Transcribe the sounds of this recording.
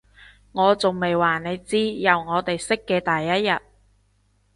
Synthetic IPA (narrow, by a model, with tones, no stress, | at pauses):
ŋɔː˨˧t͡sʊ˨˩ŋme˨jwaː˨˩ne˨˧jt͡siː˥jɐ˨wŋɔː˨˧t̪e˨jsɪ˥kːɛː˧t̪ɐː˨jːɐ˥t̚jɐ˨t̚